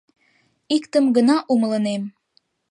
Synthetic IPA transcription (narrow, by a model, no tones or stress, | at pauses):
ikt̪əmɡənɑʔumələnem